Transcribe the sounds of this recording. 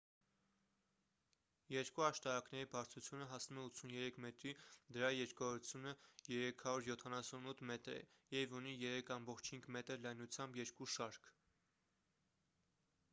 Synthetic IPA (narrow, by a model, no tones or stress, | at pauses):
jɛɾkuɑʃt̪ɑɾɑknɛɾibɑɾt͡sʰut͡sʰjunəɦɑsnumɛut̪t͡sʰunjɛɾɛkʰmɛt̪ɾid̪əɾɑjɛɾkʰɔɾut͡sʰjunəjɛɾɛkʰɑɾuɾjɔt̪ʰɑnɑsunut̪ʰːmɛt̪ɾɛ̰jɛvunijɛɾɛkʰɑmbɔχt͡ʃʰhiŋɡmɛt̪əɾlɑjnut͡sʰjɑmbjɛɾkuʃɑɾkʰ